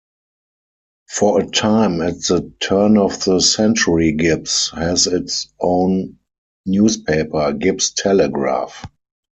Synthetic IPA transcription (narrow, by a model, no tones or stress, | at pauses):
fɔətʰãɪ̃mɛt̚ðətʰɜ˞nɔfðəsɛ̃nt͡ʃəɹiɡɪpshɛzɪtsʔõʊ̃nː | juːspʰeɪpə˞ɡɪpstʰɛləɡɹa̰f